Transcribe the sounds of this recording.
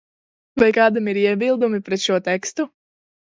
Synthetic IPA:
vajkɑːd̪amiɾiɛbilˠd̪umipɾɛt̪ʃuɔt̪ɛkst̪u

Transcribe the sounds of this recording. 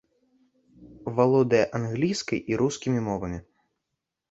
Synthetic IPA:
valˠɔd̪ɐjɐʔanɣlʲijskɐjʔiɾuskʲimʲimɔvɐmʲi

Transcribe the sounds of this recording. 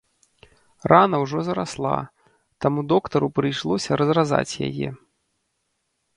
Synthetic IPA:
rʔanɐwʐɔzɐɾa̰slˠa̰ | t̪amud̪ɔkt̪ɐɾupɾɨjʂlˠɔsʲɐɾɐzraza̰t͡sʲja̰jɛ̰

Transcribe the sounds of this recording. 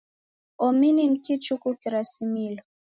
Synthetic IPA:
ɔminiŋ̩kit͡ʃukukiɾasimilɔ

